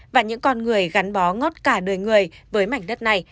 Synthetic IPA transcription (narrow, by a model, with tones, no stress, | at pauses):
vaː˨˩ɲɨ̰˧˥ŋkɔ˧nŋɨ˨˩əjɣa˨˦nɓɔ˨˦ŋɔ˦˥t̚kaː˧˩ɗɨ˨˩əjŋɨ˨˩əjvəː˨˦jma˨˧˩jŋɗə˦˥t̚na˧˩j